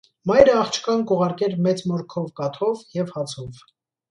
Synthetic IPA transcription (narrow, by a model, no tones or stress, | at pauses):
mɑjɾəɑχt͡ʃʰkɑnkɔʁɑɾkɛɾmɛt͡smɔɾkʰɔvkɑt̪ʰɔvjɛvhɑt͡sʰɔv